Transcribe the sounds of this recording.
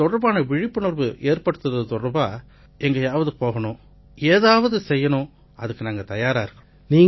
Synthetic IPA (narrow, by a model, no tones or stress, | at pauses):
t̪ɔɽɐɾbaːnɐʋɪɻɪpːɯɳɐɾbɯʔeːɾpɐɽɯt̪ːɯɾɐðɯt̪ɔɽɐɾbaː | ɛŋɡɐjaːʋɐðɯpoːɣɐɳʊ̃ | eːðaːʋɐðɯsɛjːɐɳʊ̃ | ɐðɯkːɯnaːŋɡɐt̪ɐjaːɾaːɪɾɯkːɐɳ | niːŋ